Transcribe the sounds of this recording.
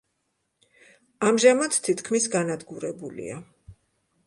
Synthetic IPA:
amʒamat̪t̪ʰːit̪ʰkʰmisɡanad̪ɡuɾɛbulḭa

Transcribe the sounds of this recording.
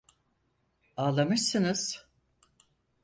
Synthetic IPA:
aːlˠamɯʃsɯnɯz̥

